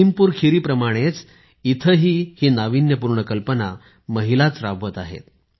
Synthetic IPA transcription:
impuːɾkʰiɾiːpɾəmaɽ̃et͡s | it̪ʰəɦiːhiːnaʋinjəpuɾɳəkəlpəna | məɦilat͡sɾaʋət̪aɦḛt̪

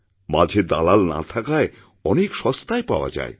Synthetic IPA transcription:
mad͡ʑʱed̪alalna̰t̪ʰakae | ɔnekʃɔst̪aepaoa̰d͡ʑa̰e

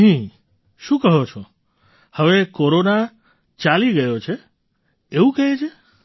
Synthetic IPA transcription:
ɦĩ | ʃũkəɦot͡ʃʰo | həʋekoɾona | t͡ʃaliɡəjot͡ʃʰeː | ʋũkəɦet͡ʃʰe

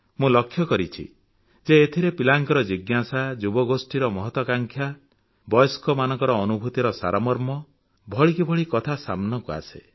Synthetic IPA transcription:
mũlɔkʰːjɔkɔɾit͡ʃʰḭ | d͡ʒeːt̪ʰiɾepilaŋkɔɾɔd͡ʒiɡjasad͡ʒubɔɡosʈiɾɔmɔɦɔt̪wɔkaŋkʰja | bɔjɔskɔmanɔŋkɔɾɔːnubʱut̪iɾɔsa̰ɾamɔɾmɔ | bʱɔɭikibʱɔɭikɔt̪ʰasa̰mnɔkua̰se

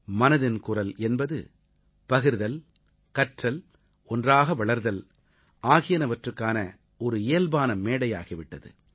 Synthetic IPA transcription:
mɐnɐðɪnkʊrɐlɛnbɐðɯ̰ | pɐɣɯɾðɐl | kɐʈrɐl | ɔndraːɣɐʋɐɭɐɾðɐl | ʔaːɣɪjɐnɐʋɐʈrɯkːaːnɐ | ɔɾɯeːlbaːnɐmːeːɽɐja̰ːɣɪʋɪʈːɐðɯ̰

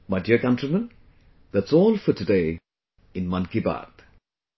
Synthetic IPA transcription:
madiəkʌ̃ntɾimə̃n | d̪ætsɔːlfətudeɪ | ɪ̃nmʌ̃nkiba̰ːɾd̪

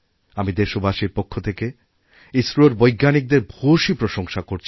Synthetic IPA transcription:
amid̪eʃobʱaʃiɾpokʰːot̪ʰeke | isɾuoɾbojɡːanik̚d̪eɾbʱoʃipɾoʃoŋʃakoɾt͡ɕʰ

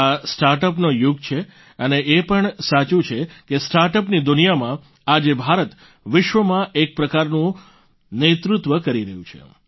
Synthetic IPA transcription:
asʈaɾʈəpnojuɡ̚t͡ʃʰe | əneʔepəɳsat͡ʃũt͡ʃʰekesʈaɾʈəpnid̪unijamã | ad͡ʒebʱaɾət̪ | ʋɪʃʋəmãʔek̚pɾəkaɾnũ | net̪ɾut̪ʋəkəɾiɾəɦjṵ̃t͡ʃʰḛ

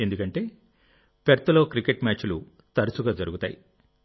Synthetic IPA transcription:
e̞nd̪ukɐɳʈe̞ː | peɾt̪ɐlo̞ːkɾikeʈmʲaːt͡ʃulu | t̪ɐɾɐsuɡaːd͡ʒɐɾuɡut̪a̰ːjḭ

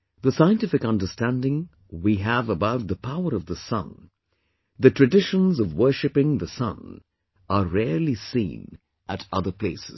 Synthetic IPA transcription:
ðəsaɪɨ̃ntɪfɨkʌ̃ndə˞stæ̃ndɪ̃ŋ | wiɨvəbaʊt̪̚ðəpʰaʊə˞ʌvðəsʌ̰̃n | ðɨtʰɹ̥ɨdɪʃə̃nzʌvwɜ˞ʃɨpɪ̃ŋðəsʌ̰̃n | əɹɛɹlˠisḭ̃n | ʔəɾʌðə˞pʰl̥eɪsɪz̥

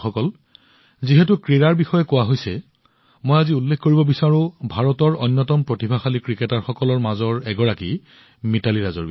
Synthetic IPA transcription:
xɔkɔl | ziɦɛtʊkɹiɹaɹbixɔjɛkowaɦojsɛ | mojaziulːekkoɹibɔbisaɹʊ̃bʱaɹɔtɔɹɔjnːɔtɔmpɹotibʱaxalikɹikɛtaɹxɔkɔlɔɹmazɔɹɛɡɔɹaki | mitaliɹazɔ̰ɹbi

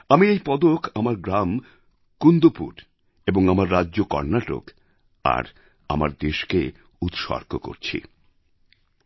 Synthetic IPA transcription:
amiejpɔd̪okamaɾɡɾam | kund̪opṵɾ | eboŋamaɾːadːʑokɔ̰ɾnaʈo̰k | a̰ɾ | a̰ma̰ɾd̪eʃke | ut̪ʃɔ̰ɾkʰoko̰ɾt͡ɕʰḭ

